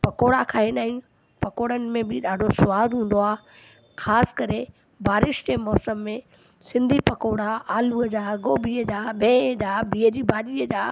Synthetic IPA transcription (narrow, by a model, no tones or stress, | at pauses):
pɐkoːɽakʰaɦenaːĩ | pɐkoːɽənɪ̆mẽbɪɗaːɖʱosʊʋaːd̪ɦũːn̆d̪oaːɦ | xʰaːsɪ̥kɐɾe | baːɾɪʃd͡ʑemɔːsəmːẽ | sɪ̃nd̪ʱipɐkoːɽaaːluːd͡ʑaːɡoːbiːəd͡ʑaːbʱẽːd͡ʑaːbiːəd͡ʑiːbaːɗiːəd͡ʑaː